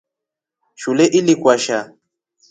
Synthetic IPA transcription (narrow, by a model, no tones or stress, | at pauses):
ʃulɛʔilikʼwaʃa